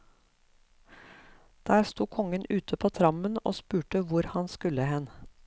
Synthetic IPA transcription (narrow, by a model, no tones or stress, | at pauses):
d̪̥æːɾst̪uːkʰɔŋənʉːt̪ʰəpʰoːt̪ʰɾɑməno̰ːspʉːʈəʋʊɾhɑnskʉləhɛn